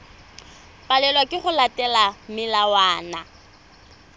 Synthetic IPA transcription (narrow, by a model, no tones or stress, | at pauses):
pʼalɛlwakʼɪχʊlatʼɛlamɪlawaːna̰